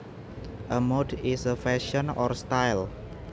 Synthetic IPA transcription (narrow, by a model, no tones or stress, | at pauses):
ʔəmodisəfɛʃɔnɔ̰rst̪ajl